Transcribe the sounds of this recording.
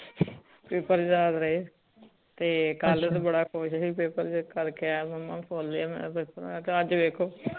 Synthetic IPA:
pepəɾd͡ʒaːd̪ɾəeː | t̪eːkəlt̪ːbəɽaːkʰʊʃɦiːpeːpəɾd͡ʒkəɾkeɛːməmːã̰ːpʰoːld̪eaːmɛ̰̃ːpepəɾt̪ːəd͡ʒʋeːkʰoː

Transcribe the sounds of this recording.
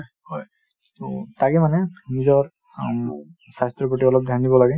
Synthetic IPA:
hɔj | totaɡɛmanɛnizɔɹ | sastɹɔpɔʈiɔlɔb̚d̪ʱjandibɔlaɡɛ

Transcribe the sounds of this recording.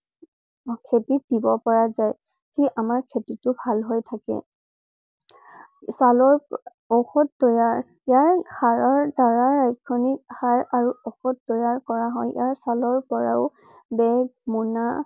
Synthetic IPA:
kʰetit̚dibɔpɔɹazaj | ziʔamaɹkʰetitʊbʱalɦojtʰakɛ̰ | salɔɹ | ɔxɔt̚tɔjaɹ | jaɹɡʰaɹɔɹdaɹaɹajkʰɔnik̚haɹaɹuɔxɔt̚ːɔjaɹkɔɹaɦɔjjaɹsalɔɹpɔɹa̰ʊ | bɛmɔna

